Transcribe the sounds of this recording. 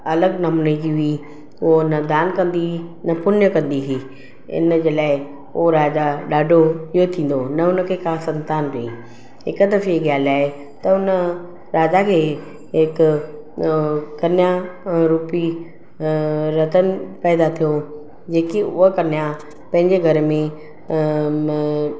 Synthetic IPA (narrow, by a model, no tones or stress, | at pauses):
ɐləɡnɐmnəid͡ʑiɦʊi | ʊɦonɐd̪aːnkɐ̃nd̪inɐpʊnjəkɐ̃nd̪iɦi | ɪ̰nəd͡ʑeːlaːɪ | oɾaːd͡ʑaɗaːɖʱoiɦot̪ʰĩːn̆d̪onɐʊnə̆kʰeːkʰaːsɐ̃nt̪aːnkɐĩ | ɪ̰kt̪əfieɠjaːlaːɦe | t̪ɐʊnə | ɾaːd͡ʑakʰeː | ɦɪkʊ | kɐnjaɾuːpi | ɾɐt̪ənɪ̆pɛːd̪at̪ʰijo | d͡ʑeːkiʊɦakɐnija | pɐ̃ɦɪ̃ɲd͡ʑeɡʱɐɾmẽ